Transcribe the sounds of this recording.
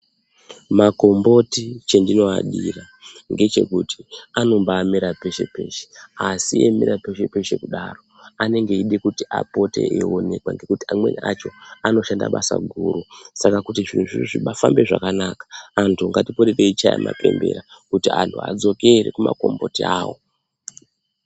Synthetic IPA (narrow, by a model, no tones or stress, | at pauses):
mako̞mbo̞tit͡ʃendino̞aɗira | ŋɡe̞t͡ʃe̞̰kuti̥ano̞mbaːmiɾape̞ʃe̞pe̞ːʃe̥asiemeɾape̞ʃe̞peʃe̞kuɗaro̞ | ane̞ŋɡe̞iɗekutiapo̞te̞̰ʔeone̞kwaŋɡe̞kutiamwe̞̰nʔat͡ʃo̞ano̞ʃanda̰ɓasa̰ɡʱuːɾusakakutiʐin̤uʐiroʐiɓafambe̞ʐakanakḁːntʰuŋɡatipoɾereit͡ʃaja̰mʔa̰pe̞mbe̞ɾakutiantʰuad͡zo̞ke̞ɾekuma̰ko̞mbo̞tiaːwo̞